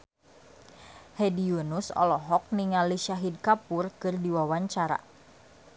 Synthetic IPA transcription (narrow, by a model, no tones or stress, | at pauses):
hɛdiunusɔ̰lɔɦɔk̚niŋaliʃaɦid̚kapʊrkɨrdiwawaɲt͡ʃaɾa̰